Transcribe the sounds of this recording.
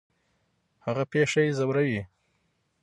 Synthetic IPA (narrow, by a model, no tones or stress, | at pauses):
haɣapeʂajezawɾawi